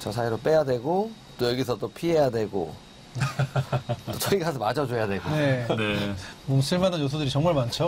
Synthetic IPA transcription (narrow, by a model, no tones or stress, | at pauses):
t͡ɕʌsʰaiɾop͈e̞jadwe̞ɡot͈ojʌɡisʰʌt͈opʰiɦejadwe̞ɡo̰ | ot͡ɕʰʌiɡasʰʌmad͡ʑʌd͡ʑojadwe̞ɡonenemonsʰɯɭmananjotʰodɯɾit͡ɕʌŋmaɭmant͡ɕʰo